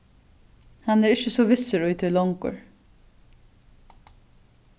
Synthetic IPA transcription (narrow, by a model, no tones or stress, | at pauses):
hanɛɾɪt͡ʃːəsɔvɪsːəɾʊjt̪ʰɪlɔŋkʊ̰ɹ